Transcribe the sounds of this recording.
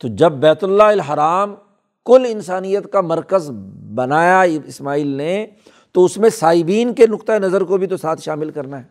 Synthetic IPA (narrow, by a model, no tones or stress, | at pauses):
t̪od͡ʒɐbːɛːt̪ʊlːaɪlɦɐɾaːm | kʊlɪnsaːnijət̪kamɐɾkəzbɐnaːjaɪsmaːiːlne | t̪oʊsmẽsaːɪbiːnkenʊkt̪aenɐzəɾkobʱit̪osaːt̪ʰʃaːmɪlkɐɾnaɦɛː